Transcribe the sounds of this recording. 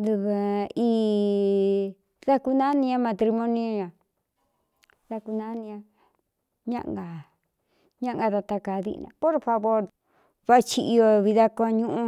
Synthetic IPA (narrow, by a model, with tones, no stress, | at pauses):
d̪u˧βa˨i˦ | ða˦ku˧nã˦nĩ˧ã˦mã˧t̪ɾi˧mõ˦nĩ˦˧ɲã˨ | ða˧ku˧nã˦nĩ˧ã˧ | ɲã̰˦ʔŋɡa˨ | ɲã˦ʔŋɡa˧t̪a˧t̪a˧ka˨ðḭ˧nã̰˧po˦ɾfa˧βo˦ɾ | βa˦˧t͡ʃi˧ʔi˧o˧βi˧ða˦kʷã˧ɲũ˦ʔũ˧